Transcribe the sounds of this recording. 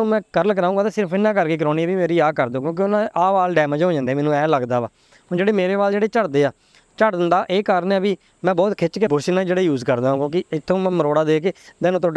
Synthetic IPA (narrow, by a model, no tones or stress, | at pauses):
mɛ̃ːkəɾəlkəɾaːũːɡaːt̪aːsɪɾəpʰɪnːãːk̬əɾkeːk̬əɾoːniːbiːmeːɾiːaːkəɾd̪õːkjõːk̬ɪʊnãːʔaːʋaːlɖɛːməd͡ʒɦoːd͡ʒãːnd̪eːmɛːnũːɛːləɡd̪aːʋaː | ɦõːd͡ʒeːɽeːmeːɾeːbaːld͡ʒeːɽeːt͡ʃəɽd̪eːaː | t͡ʃəʈd̪ɪnd̪aːʔeːkaːɾənaːbiː | mɛ̃ːbɔːt̪kʰɪt͡ʃkebʊɾsɪnãːd͡ʒeːɽeːjuːzkəɾd̪aːɦõːkjõːkɪɪt̪ʰːõːmɛ̃ːməɾoːɽaːd̪eːkeːd̪ɛːnõːt̪ʰõː